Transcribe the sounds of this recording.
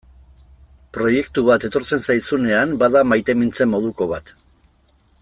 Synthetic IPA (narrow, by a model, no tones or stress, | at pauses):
pɾo̞je̞kt̪uβat̪e̞t̪o̞ɾt͡se̞nsajsune̞ambaðamajt̪e̞mint͡se̞mːo̞ð̞uko̞β̞at̪